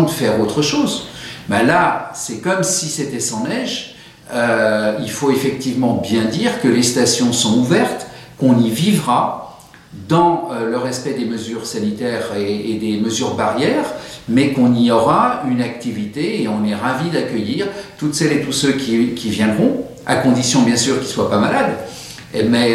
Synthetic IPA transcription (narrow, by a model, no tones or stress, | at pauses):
d̪əfɛʁot̪χəʃoːzbalasɛkɔmsiset̪ɛsɑ̃nɛʒ | øilfoefɛkt̪ivmɑ̃bjɛ̃d̪iʁkəlest̪asjɔ̃sɔ̃uvɛʁt̪kɔ̃nivivʁa | d̪ɑ̃øləʁɛspɛd̪eməzyʁsanit̪ɛʁeːd̪eməzyʁbaʁjɛʁmɛkɔ̃niɔʁaynak̚t̪ivit̪eːɔ̃nɛʁavid̪akʲœjiʁt̪ut̪sɛlet̪usøkʲikʲivjɛ̃d̪ʁɔ̃ | a̰kɔ̃d̪isjɔ̃bjɛ̃syʁkʲiswapamalad̪ | mɛ